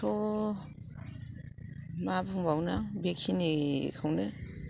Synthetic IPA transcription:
tʰo | mabuŋbawnabekʰinikʰɯwnɯ

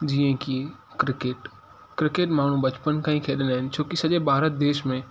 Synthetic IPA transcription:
d͡ʑiːə̃kikɾɪkeːʈ | kɾɪkeːʈmaːɳ̤ũbɐt͡ɕpənkãːĩkʰeːɗənaːɦɪnɪ̆t͡ɕʰoːkisɐʄebʱaːɾət̪̚d̪eːʃmẽ

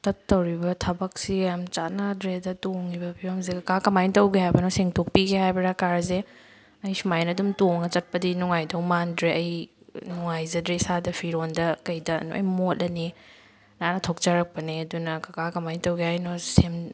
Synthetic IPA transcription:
tɐtːɐwɾibɐtʰɐbɐk̚sijamt͡ʃanɐdɾedɐtoŋibɐpʰiɾɐmzekɐkakɐmajntɐwɡehajbɐnɔseŋtʰok̚piɡeɦajbɐɾakaɾze | ɐjsumajnɐdumtoŋnɐt͡ʃɐt̚pɐdinuŋajdɐwmandɾeʔɐj | nuŋajzɐdɾesadɐpʰiɾondɐkɐjdɐ̰no̰ʔɐ̰jmot̚lɐni | nanɐtʰok̚t͡ʃaɾɐk̚pɐneɐdunɐkɐkakɐmajntɐwɡehajnosem

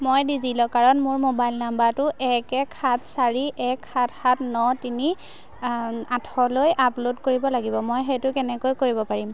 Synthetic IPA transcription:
mojdizilɔkaɹɔnmʊɹmobajlnambatʊʔɛkɛkʰːatsaɹiʔɛkxatxatnɔtini | atʰɔlojaplodkoɹibɔlaɡibɔmojɦejtʊkɛnɛkojkoɹibɔpaɹim

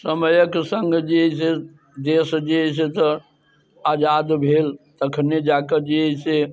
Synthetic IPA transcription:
səməjəksə̃ŋɡd͡ʒiəse | d̪eːsd͡ʒiəs̬et̪ɐ | aːd͡ʒaːd̪bʱeːlt̪əkʰned͡ʒaːkəd͡ʒiəse

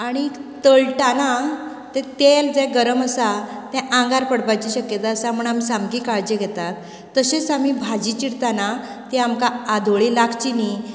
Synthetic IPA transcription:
aɽ̃it̪əɭʈana | t̪ẽt̪eld͡zɛɡəɾəməsat̪jɛ̃ʔãŋɡaɾpəɽpajt͡ɕiɕəkjət̪aəsaməɳamisamɡikaɭd͡ʑeɡʱɛt̪at̪ː | əset͡samibʱad͡ʑit͡ɕiɽt̪ana | t̪ɛamkaad̪ʱoɭiːlaɡt͡ɕini

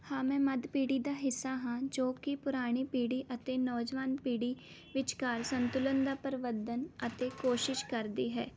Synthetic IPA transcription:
hãːmɛ̃ːməd̪piːɽiːd̪aːɦɪsːaːɦãːd͡ʒoːkɪpʊɾaːɽ̃iːpiːɽiːʔət̪eːnɔːd͡ʒʋaːnpiːɽiː | ʋɪt͡ʃkaːɾsənt̪ʊlənd̪aːpəɾʋəd̪ənət̪eːkoːʃɪʃkəɾd̪iːɦɛː

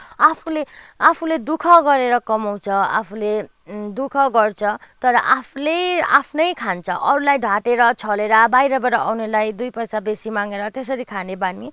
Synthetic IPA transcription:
apʰuleapʰuled̪ukʰʌɡʌɾeɾʌkʌmaw̃t͡sʰʌa̰pʰule | d̪ukʰʌɡʌrt͡sʰʌt̪ʌɾʌʔapʰuleja̰pʰnʌjkʰant͡sʰʌʔʌɾulajɖʱaʈeɾʌt͡sʰʌleɾʌbajɾʌbʌɾʌʔawnelajd̪ujpʌjsabesimaŋeɾʌt̪esʌɾikʰanebani

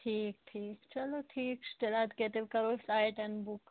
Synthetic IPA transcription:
ʈʰiːk̚ʈʰiːkt͡ʃɐloʈʰiːksʈelad̪ket̪iʋkɐɾosaɪʈɛnbuk

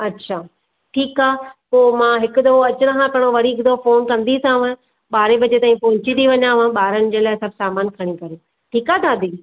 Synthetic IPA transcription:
ɐtːʃʰaː | ʈʰiːkaːpoːmãːɦɪkʊd̪ooɐt͡ɕɪɽəkʰãpɐɽ̃oʋɐɽ̤iɪkd̪ofoːnkɐ̃nd̪isʰãːʋə̃ | ɓaːɾebɐd͡ʑet̪aːĩpɐɪ̃ɲt͡ɕid̪iʋɐɲãʋãɓaːɾənɪ̆d͡ʑeːlaːɪsɐbʱsaːmaːnkʰɐɽ̃ĩkɐɾijũ | ʈʰiːkaːd̪aːd̪iː

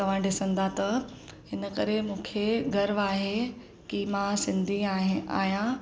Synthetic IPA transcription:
t̪ɐʋ̤ãːɖɪsə̃nd̪at̪ɐhɪnəkɐɾemũːkʰeɡɐɾʋaːɦe | kimãsɪ̃nd̪ʱia̰ːɦijã

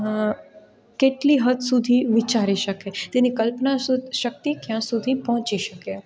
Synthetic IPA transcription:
keːʈliɦət̪sʊd̪ʱiʋɪt͡ʃaɾiʃəket̪enikəlpnaʃək̚t̪ikjãsʊd̪ʱipɔɦʊ̃t͡ʃiʃəke

